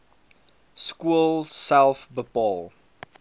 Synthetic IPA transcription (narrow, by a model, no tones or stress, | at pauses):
skuəlˠsælˠfbəpɑːlˠ